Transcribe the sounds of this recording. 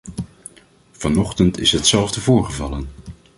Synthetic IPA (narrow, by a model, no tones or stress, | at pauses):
v̥ɑnɔχtəntɪsɦətsɛlˠvdəvʊːɹχəvɑlən